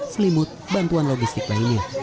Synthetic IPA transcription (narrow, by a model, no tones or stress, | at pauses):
slimʊt̪̚bant̪uanloɡist̪ɪklainja